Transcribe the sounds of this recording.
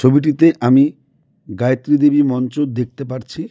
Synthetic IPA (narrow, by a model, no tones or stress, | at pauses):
t͡ɕʰobiʈ̬it̪eʔami | ɡajt̪ːɾid̪ebimɔnt͡ɕod̪ek̚t̪epaɾt͡ɕʰi